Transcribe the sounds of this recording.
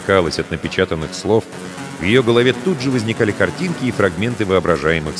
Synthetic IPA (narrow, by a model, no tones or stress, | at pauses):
kalˠəsʲɐt̪nəpʲɪt͡ɕat̪ənːɨxslˠo̞f | vjɪjo̞ɡəlˠɐvʲet̪ud̪ʐɨvəzʲnʲɪkalʲɪkɐrtʲinkʲɪːfɾɐɡmʲe̞nt̪ɨvɨɐbɾɐʐajɪmɨx